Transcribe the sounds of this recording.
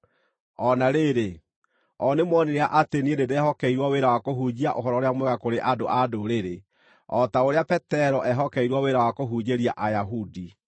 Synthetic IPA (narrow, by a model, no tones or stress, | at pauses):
ɔnaɾeɾe | ɔnemwɔneɾeaʔatenieneðɛɦɔkɛiɾwaweɾawakoɦud͡ʑiaʔoɦɔɾɔɾeamwɛɣakoɾeʔadoʔadoɾeɾe | ɔtaoɾeapɛtɛɾɔʔɛɦɔkɛiɾwaweɾawakoɦuɲeɾiaʔajaɦudi